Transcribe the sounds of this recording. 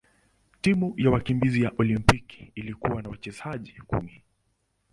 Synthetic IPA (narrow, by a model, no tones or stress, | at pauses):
timujawakimbizijaʔɔlimpiki̥ilikuwanawat͡ʃɛzaʄikṵmi